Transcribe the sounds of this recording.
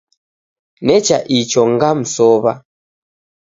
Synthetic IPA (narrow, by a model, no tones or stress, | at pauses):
nɛt͡ʃaʔit͡ʃɔŋɡam̩sɔβa̰